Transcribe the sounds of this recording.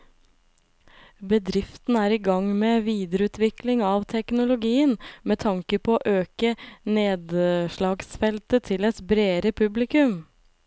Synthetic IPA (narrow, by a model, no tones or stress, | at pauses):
bəd̪ɾɪft̪n̩æːɾiːɡɑŋmeːʋiːd̪əɾəʉːt̪ʰʋɪklɪŋɑːʋt̪ʰɛknʊlʊɡiːənmɛt̪ʰɑŋkəpʰoːoːʔøːkəneːd̪ʃɭɑːɡsfɛlt̪ət̪ʰɪlɛt̪bɾeːɾəpʰʉblɪkʉm